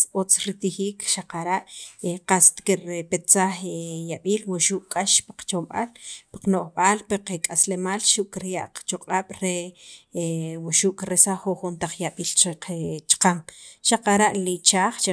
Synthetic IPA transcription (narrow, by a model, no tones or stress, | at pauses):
ot͡sɾit̪ixiːkʃaqaɾaʔqast̪kiɾpet͡saχejaɓiːlwuʃuːʔkʼːaʃpi̥qt͡ʃomɓa̰lpi̥qnoʔχɓaːlpiqekʼaslemaːlʃuʔkiɾjaʔqt͡ʃoqʼaːɓ̥ɾe | wuʃuːʔkiɾesaχoχunt̪aq͡χjaɓiːlt͡ʃeqet͡ʃqaŋʃaqaɾaʔlit͡ʃaːχt͡ʃe